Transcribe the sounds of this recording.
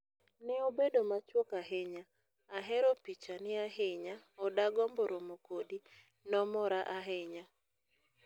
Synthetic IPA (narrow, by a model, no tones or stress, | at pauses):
nɪobedomat͡ʃwokaɦeɲaː | ɦɛɾɔpit͡ʃanɪaɦɪɲaɔdaɡɔmboɾomokodi | nɔmɔɾaʔaɦeɲa